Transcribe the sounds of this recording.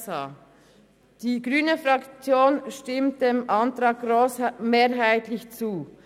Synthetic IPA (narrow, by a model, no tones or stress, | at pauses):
saː | d̥iːɡʁyːnəfʁɑkt͡sjoːnʃtɪmt̚d̥eːmʔɑntɾɑːɡ̚ɡ̥ɾosmeːɾɦaɪtlɪçt͡suː